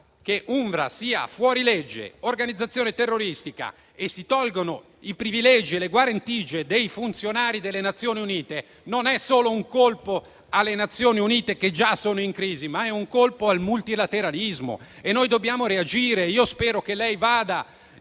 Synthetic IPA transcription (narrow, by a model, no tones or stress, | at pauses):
keʔuɱvɾa̰siːa̰fwɔːɾiled͡ʒːḛorɡanid̪zat̪sːjoːnet̪erːoɾist̪ika̰ | esːit̪ɔlɡono | ipɾivilɛd͡ʒieleɡwaɾant̪iːd͡ʒed̪ejfunt̪sjonaːɾid̪elːenat̪sːjoːniuniːt̪e | nonɛsoːlouŋkolpo | alːenat̪sːjoːniuniːt̪eked͡ʒasːoːnoiŋkɾiːzimaɛuŋkolpoalmult̪ilat̪eɾalizmo̰enːojd̪objaːmoɾead͡ʒiːɾeiːospɛːɾokelːɛjvaːd̪a